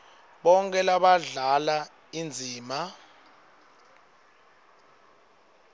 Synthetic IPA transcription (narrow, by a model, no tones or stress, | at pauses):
ɓɔŋkʼɛlaɓaɮala | ind͡zʱiːma